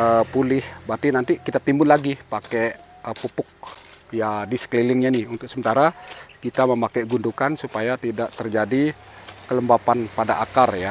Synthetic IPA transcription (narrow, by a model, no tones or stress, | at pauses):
əpulɪhbat̪inant̪ikit̪at̪imbʊlːaɡipakɛ | əpupʊk̚jadisə̥klilɪŋɲanɪhunt̪ʊk̚səmənt̪aɾakit̪aməmakɛɡundukansupajat̪idaʔt̪ərd͡ʒadi | kələmbapanpadaʔakarja